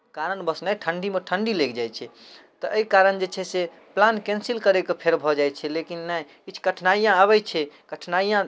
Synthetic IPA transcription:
kaɾənbəsnajʈʰəɳɖimeʈʰəɳɖilekd͡ʒajt͡ʃʰɛt̪ɔʔəikaɾənd͡ʒet͡ʃʰɛse | plankɛ̃nsilkəɾɛkepʰeɾbʱɔd͡ʒajt͡ʃʰɛlekinːɛj | kit͡ʃʰkəʈʰnaijãaβɛt͡ʃʰɛkəʈʰnaijã

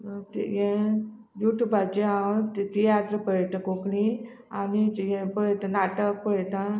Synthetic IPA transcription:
t̪ḭjẽ | juʈjubat͡ɕiat̪t̪ijat̪ɾəpət̪ãkokɽĩ | anijẽpəɭet̪ãnaʈək̚pəɭet̪ã

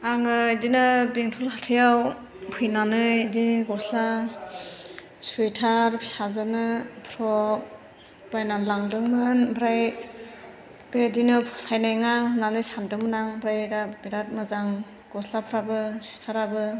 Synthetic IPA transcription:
aŋɯdinɯbeŋtʰulhatʰɯjaw | pʰɯjnanɯdiɡɔsla | suetʰaɾpʰi̥sazɯnɯpʰɾɔ | b̥ajnamlaŋdɯŋmɯnbɾaj | b̥ɾadinɯpʰɔsajnajŋananɯsamdɯmɯnaŋbɾajɾabiɾat̚mɯzaŋ | ɡ̥ɔslapʰɾabɯsuitʰaɾabɯ

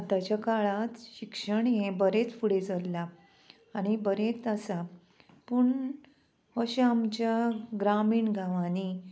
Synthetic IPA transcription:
t̪at͡ɕakaɭat̪ɕikʂəɳjẽbəɾet͡sfuɽed͡zəllaː | ɽ̃ibəɾet͡səsa | puɳ | əɕamt͡ɕaɡɾamiːɳɡʱaʋani

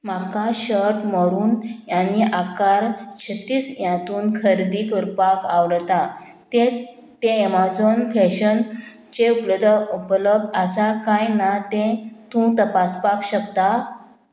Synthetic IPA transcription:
m̤akaɕəɾʈməɾuːnjaniːʔakaɾt͡ɕʰət̪iːsjãt̪uːnkʰəɾd̪iːkəɾpakaʋɽt̪a | t̪e | t̪emad͡zonfɛɕən | t͡ɕeupləd̪ʱupləbəsakãjnat̪ẽt̪ũt̪əpaspakɕəkt̪a

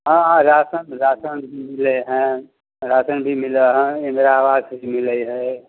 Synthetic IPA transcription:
ɦããɾasənɾasənbʱimileɦɛ̃ | ɾasənbʱimileɦɛ̃emeɾawazimiləjɦə

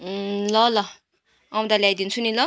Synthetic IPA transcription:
lʌlʌ | am̃d̪aljajd̪int͡sʰunilʌ

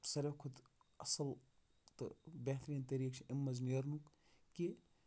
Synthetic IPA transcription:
sɐɾʲɐkʰud̪ɐsɐl | t̪ɨ̰beht̪ɾiːnt̪ɐɾiːkt͡ʃʰiʔimːɐzniɐɾnuk | ki

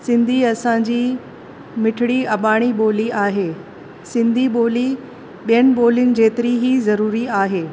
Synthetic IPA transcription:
sɪ̃nd̪ʱiɐsãɲd͡ʑiː | mɪʈʰɪɽiɐɓaːɽ̃iɓoːliaːɦeː | sɪ̃nd̪ʱiɓoːli | ɓijənɪ̆ɓoːlijʊnɪ̆d͡ʑeːt̪ɪɾiɦizɐɾuːɾiaːɦeː

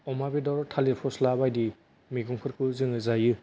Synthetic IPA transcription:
ɔmabidɔɾɔtʰaliɾpʰɔslabajdi | miɡuŋkʰɯɾkʰuzɯŋɯzajɯ

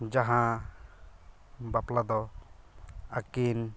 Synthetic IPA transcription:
d͡ʒaɦã | baplad̪ɔ | akin

